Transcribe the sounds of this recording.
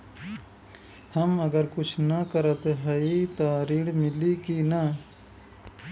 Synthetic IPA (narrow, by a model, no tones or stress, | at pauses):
hɐmɐɡəɾkʊt͡ʃʰnɐkɐɾət̪eɦɐit̪aːɾiːɽmɪlikina